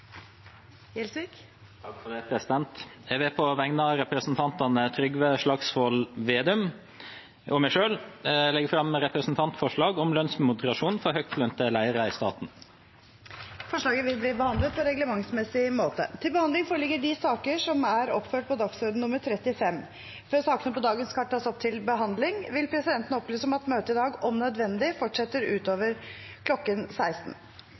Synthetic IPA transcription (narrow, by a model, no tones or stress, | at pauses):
jɛlsʋiːk | t̪ʰɑkfɛpʰɾɛsɪd̪ɛnt̪ɛʋeːpʰɔʋɛŋnɑɾɛpɾəsn̩t̪ʰɑnt̪ɑnət̪ʰɾʏɡʋəʂlɑksfɔlʋeːd̪ʉm | ɔmæɪʂøːllɛɡfɾɑmːɾɛpɾəsn̩t̪ʰɑnt̪fɔʂɭɑːɡɔmlœnsmʊd̪əɾɑʂuːnfɔɾhœk̚t̪lœnt̪əlæɪəɾəɪst̪ɑ̰ːt̪n̩ | fɔʂɭɑːɡəʋɪlbɾiːbəhɑnd̪lət̪̚pʰɔɾɛɡləmɑŋsmɛsɪmoːt̪ə̰t̪ʰɪlbəhɑnd̪lɪŋfoːɾəlɪɡəɖɪsɑːkəʂɔmæɾɔpføːʈ̚pʰɔd̪ɑksɔd̪ən̩ʊmːəɾt̪ʰɾɛt̪ːɪfɛmː | fɔɾsɑːkənəpɔd̪ɑːɡənskʰɑʈ̚ʈʰːɑːsɔp̚t̪ʰɪlbəɦɑnd̪lɪŋʋɪlpʰɾɛsɪd̪ɛnt̪ənəɔplyːsɔmɑt̪møːt̪əɪd̪ɑːɡɔmnœd̪ʋɛnd̪ɪfɔʈʂɛt̪ːəɾʉːt̪oːʋəɾkʰlɔkːənsæɪst̪n̩